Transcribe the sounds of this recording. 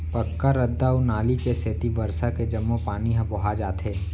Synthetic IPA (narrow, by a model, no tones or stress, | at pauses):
pɐkːaɾɐd̪ːaunaːlikeseːt̪ibɐɾsaked͡ʒɐmːõpaːniɦɐ̃bʊɦad͡ʒaːt̪ɦeː